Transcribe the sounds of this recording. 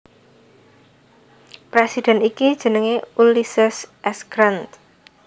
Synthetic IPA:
pɾesid̪̥ɛ̤nikid̥ʒ̥ə̤nəŋeulisəsʔɛsɡ̥ɾant̪

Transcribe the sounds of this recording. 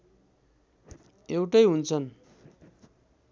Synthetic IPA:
ewʈʌjɦunt͡sʰʌn

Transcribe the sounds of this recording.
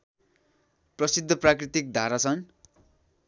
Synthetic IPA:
prʌsid̪ʱːʌprakrit̪ik̚d̪ʱaɾat͡sʰʌn

